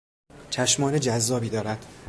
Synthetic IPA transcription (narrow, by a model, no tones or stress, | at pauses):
t͡ʃʰæʃmɒːned͡ʒæzːɒːbiːd̪ɒːɾæd̪̥